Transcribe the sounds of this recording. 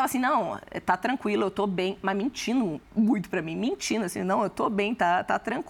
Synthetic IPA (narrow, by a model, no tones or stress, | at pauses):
avɐasĩnɐ̃w̃ɛ̰t̪at̪ɾɐ̃kwilʊewt̪obẽj̃mɐzmĩt͡ʃĩnd̪ʊmũj̃t̪ʊ̥pɾɐmĩmĩnt͡ʃĩnd̪ʊasĩnɐ̃w̃ewt̪obẽj̃t̪at̪at̪ɾɐ̃k